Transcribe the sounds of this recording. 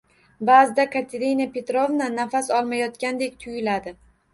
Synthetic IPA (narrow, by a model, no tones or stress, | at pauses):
baːzɪd̪akʰaɾt̪ʰeɾinape̞t̪ɾo̞vnanafasɒlˠmajɒt̪kʲand̪e̞kʲt̪ʰʊjɪlad̪ɪ